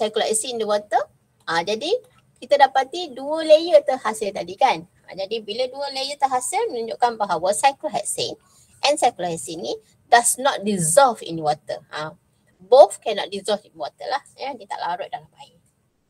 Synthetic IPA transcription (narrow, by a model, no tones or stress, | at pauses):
sajkəlaɛsindəwɔt̪ə | ʔad͡ʒadi | kit̪adapat̪iduəlejət̪əhasɪlt̪adikan | ã̰d͡ʒadibiləduəlejət̪əɦasɪlmənũɲd͡ʒoʔkanbaɦawəsajkəlɦɛ̰t̪̚sḛn | ʔɛ̃nsajkəlhɛsini | dasnɔt̪̚dizɔlfḭnwɔt̪ə̰ã | bofkɛnɔt̪̚dizɔlfinwɔt̪ə̰lahjədit̪a̰ʔlaɾʊʔ̚dalamaɪ